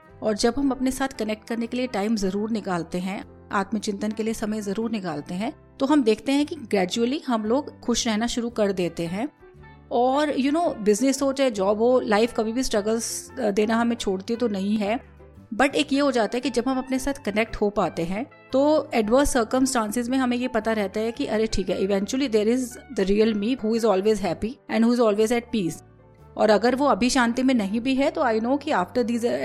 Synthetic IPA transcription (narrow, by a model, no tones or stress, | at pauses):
ɔːɾd͡ʒɐbɦɐmɐpnesaːt̪ʰkɐnɛk̚ʈ̚kɐɾnekelieʈaːɪmzɐɾuːɾnɪkaːlt̪eɦɛ̃ | a̰ːt̪mit͡ʃɪ̃nt̪ənkeliesɐməjzɐɾuːɾnɪkaːlt̪eɦɛ̃ | t̪oɦɐmd̪eːkʰt̪eɦɛ̃kiɡɾɛːd͡ʒuəliɦɐmloːɡxʊʃɾɛɦnaʃʊɾukɐɾd̪eːt̪eɦɛ̃ː | ɔːɾjʊnoːbɪznɪsoːt͡ʃɛd͡ʒɔːbɦolaːɪfkɐbʱibʱisʈɾɐɡəlzd̪eːnaɦɐmẽt͡ʃʰoːɽt̪it̪onɐɦĩɦɛ | bɐʈeːkjeɦod͡ʒaːt̪aɦɛkid͡ʒɐbʱɦɐmɐpnesaːt̪ʰkɐnɛk̚ʈhopaːt̪eɦɛ̃ | t̪oːɛɖʋəɾsːəːɾkə̃msʈãːnsɪzmẽɦɐmẽjepɐt̪aɾɛɦt̪aɦɛ̃kiʔɐɾeʈʰiːkɦɛʔɪʋɛ̃nt͡ʃuəlid̪eːɾɪzd̪əɾiːəlmiːɦuːɪzɔːlʋeːzɦɛpiɛ̃ɳɖɦuːɪzɔːlʋeːzɛʈ̚piːs | ɔ̰ːɾɐɡəɾʋoɐbʱiʃãːnt̪imẽnɐɦĩbʱiɦɛt̪oaːɪnoːkiaːfʈəɾd̪iːzə